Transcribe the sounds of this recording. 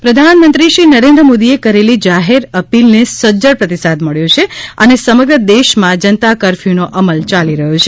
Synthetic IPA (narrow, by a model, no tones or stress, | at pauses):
pɾəd̪ʱanmənt̪ɾiʃɾinəɾẽnd̪ɾəmod̪iekəɾelid͡ʒaɦeɾəpilnesəd͡ʒəɽpɾət̪isad̪məɭjõt͡ʃʰeənesəməɡɾəd̪eʃmãd͡ʒənt̪akəɾfinoʔəməlt͡ʃaliɾəɦot͡ʃʰe